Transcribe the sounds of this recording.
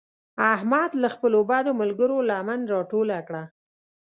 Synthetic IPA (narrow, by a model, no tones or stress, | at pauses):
ahmad̪laxpəlobɑd̪oməlɡəɾolamanɾɑʈolakɽa